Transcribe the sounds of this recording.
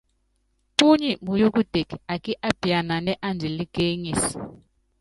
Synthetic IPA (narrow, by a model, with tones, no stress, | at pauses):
ku˦ɲɛ˨mu˨ju˦k̬ʼu˦d̥ʱe˨kʰi˨a˨kʼi˦ʔa˦b̥ʱi˨ja˨na˨nɛ˦ʔa˦nd͡ʒʱɛ˨li˦ɡ̥ʱe˦ŋi˨si̥